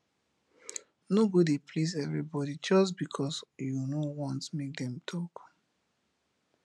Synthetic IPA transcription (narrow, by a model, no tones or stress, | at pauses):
noɡodepʰlizɛvɹibɔdid͡ʒɔsbikʰɔsjunowɔ̃ntmek̚dɛ̃mtʰɔk